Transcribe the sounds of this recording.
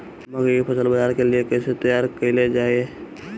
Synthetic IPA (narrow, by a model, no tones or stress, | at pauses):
mɐɡəɾepʰɐsəlbəd͡ʒaːɾkeliekɛːset̪əjaːɾkəiled͡ʒaːie